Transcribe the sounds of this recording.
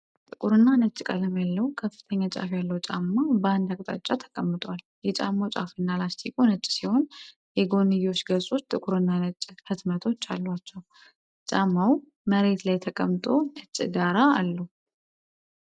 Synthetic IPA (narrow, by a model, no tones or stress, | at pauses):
t̪ʼɨkʼuɾɨnːanət͡ʃʼːkʼələmjalːəwkʰəfːɨ̥t̪ʰəɲːat͡ʃʼa̰fjalːəwt͡ʃʼamːabəand̪akʼt̪ʼa̰t͡ʃʼːat̪ʰə̥kʼəmːɨt̪ʼwal | jɛt͡ʃʼa̰mːat͡ʃʼa̰fɨnːalast̪ʰikʼonət͡ʃʼːsiho̞n | jɛɡo̞nːɨjo̞t͡ʃːɡəsʼo̞t͡ʃːt̪ʼɨkʼuɾɨnːanət͡ʃʼːhɨt̪mət̪ʰo̞t͡ʃːalːwat͡ʃːɛw | t͡ʃʼamːaw | məɾe̞t̪lajt̪ʰəkʼəmːɨt̪ʼo̞nɨt͡ʃʼɡaɾaːlːəw